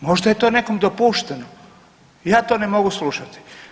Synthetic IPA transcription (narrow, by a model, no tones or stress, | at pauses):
mo̞ʒd̪ajet̪o̞ːne̞komd̪opuʃt̪eno | jaːt̪o̞ːnemo̞ɡuslˠuʃat̪i̥